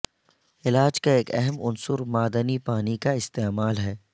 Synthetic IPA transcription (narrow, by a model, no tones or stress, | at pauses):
ɪlaːd͡ʒkaeːkɛ̰ɦɛmʊnsʊɾmaːd̪ənipaːnikaɪst̪eːmaːlɦɛː